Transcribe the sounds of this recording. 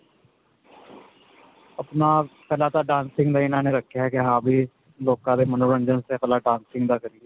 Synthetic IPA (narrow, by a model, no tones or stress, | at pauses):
əpnaːpɛlaːt̪aːɖãːnsɪ̃ŋɡd̪aːɪnãːneːɾəkʰːjaɦɛkeɦãːbʱiː | loːkãːd̪eːmənoːɾə̃ɲd͡ʒənsekəlaːɖãːnsɪ̃ŋɡd̪aːkəɾieː